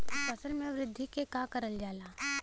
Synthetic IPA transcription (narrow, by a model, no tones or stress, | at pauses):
pɐsəlmẽʋɾɪd̪ʱːikekaːkəɾəld͡ʒaːlaː